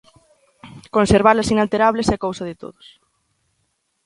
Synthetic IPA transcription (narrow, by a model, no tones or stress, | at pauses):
konseɾβ̞alɐsinalt̪eɾaβ̞lesekowsɐðɪt̪o̰ðʊs